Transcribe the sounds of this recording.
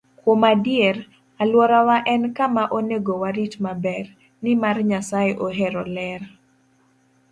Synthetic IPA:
kwomadɪeɾ | alwɔɾawaʔɛnkamaʔoneɡowaɾit͡ʃmabɛr | nɪmarɲasaeʔoɦeɾɔlɛr

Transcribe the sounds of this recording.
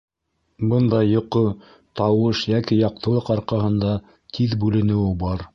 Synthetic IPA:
bɤnd̪ɑjŏqɤ | t̪ɑwɤʃjækijɑq̚t̪ɤ̆lˠɤqɑɾqɑɦɤ̆nd̪ɑ | t̪ʰiðbʉlɘ̆nɘ̆wɘbɑɾ

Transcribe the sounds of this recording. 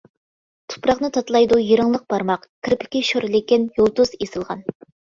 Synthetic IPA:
t̪ʰu̥pɾɑqnɨt̪ʰɑt̪lˠɑjd̪ujeɾɨŋlˠəq̚b̥ɑɾmɑqkʰʲɪɾpʰɪ̥kʲiʃoɾlekʲinjolˠt̪uz̥esɨlˠʁɑn

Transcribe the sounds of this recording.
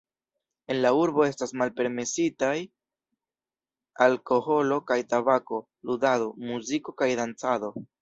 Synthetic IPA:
e̞nlauɾbo̞e̞stasmalpe̞ɾme̞sitaj | alko̞ho̞lo̞kajtabako̞ | ludadomuziko̞kajdant͡sado̞

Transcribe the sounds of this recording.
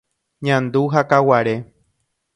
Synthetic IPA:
ɲãnd̪uɦakawaɾe̞

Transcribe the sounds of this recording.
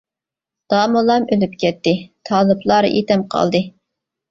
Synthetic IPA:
d̪̥ɑːmulˠɑmølyp̚kʲɛt̪ːɪt̪ʰɑːlˠɨblˠɑɾ̰ʔḛt̪ɛmqʰɑ̰lˠd̪ɨ

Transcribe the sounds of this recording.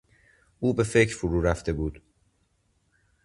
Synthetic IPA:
ʔuːbe̞fe̞cʰɾfoɾuːɾæft̪e̞buːd̪

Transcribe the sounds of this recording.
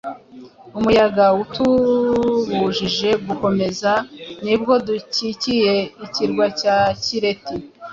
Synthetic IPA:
umujaɡautu | ɡuʒiʒe̞ɡuko̞me̞zanib̚ɡo̞ducicije̞iciɾɡwacaciɾe̞ti

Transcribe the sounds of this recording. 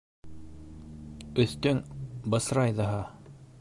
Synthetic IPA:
ɵ̆θt̪ɵŋbɤ̆sɾɑjðɤɦɑ

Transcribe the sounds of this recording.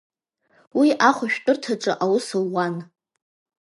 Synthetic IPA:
wiʔaχʷʊʃᶣtʼɨrtʰaʈ͡ʂʼɨʔawʊsɨlːan

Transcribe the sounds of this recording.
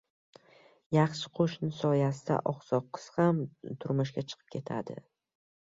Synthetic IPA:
jɑχʃɪ̥qʰoʃnɪsɒjasɪd̪a̰ʔɒqsɒqʰːɨ̥shamt̪ʰʊɾmʊʃkʲat͡ʃʰɨ̥qʰɨ̥p̚kʲʰe̞t̪ʰa̰d̪ɪ̰

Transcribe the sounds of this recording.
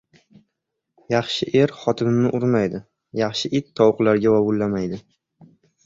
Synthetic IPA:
jɑχʃɪʔe̞ɾχɒt̪ʰɪnɪnɪʔʊɾmajd̪ɪ | jɑχʃɪʔɪt̪ʰːɒwqlaɾɡʲawawʊlːamajd̪ɪ

